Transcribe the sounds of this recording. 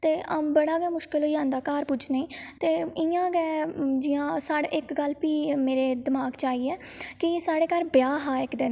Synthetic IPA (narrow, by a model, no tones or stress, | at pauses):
t̪eːəbəɽaːɡɛːmʊʃkɪlɦoːãːnd̪aːkaːɾpʊt͡ʃʰneːiːt̪eːɪãːɡɛːd͡ʒɪjãːsaːɽɪkɡəlpiːmeːɾeːd̪ɪmaːɡt͡ʃaːɦiːɛːkɪeːsaːɽeːkəɾbɪjaːɦaːɪkd̪ɪn